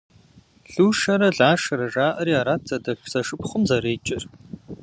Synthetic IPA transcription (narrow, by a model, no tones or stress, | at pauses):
ɬuːʂɐɾɐɮaːʂɐɾɐʐaːʔɐɾiːaːɾaːt̚ʰz̥ɐdɐʈ͡ʂz̥ɐʂɨpχʷʊmzɐɾeːt͡ʃʼɪr